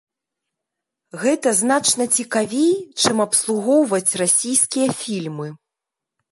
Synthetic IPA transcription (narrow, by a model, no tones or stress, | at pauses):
ɣɛt̪ɐznat͡ʂnɐt͡sʲikavʲejt͡ʂɨmɐpslˠuɣɔwvɐt͡sʲrasʲijskʲijɐfʲilʲmɨ